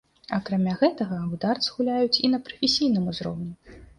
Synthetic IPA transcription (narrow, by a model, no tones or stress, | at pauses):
ɐkɾamʲaɣɛt̪ɐɣɐud̪art̪sɨɣulʲajut͡sʲinɐpɾɐfʲesʲijnɨmuzɾɔ̰wnʲɛ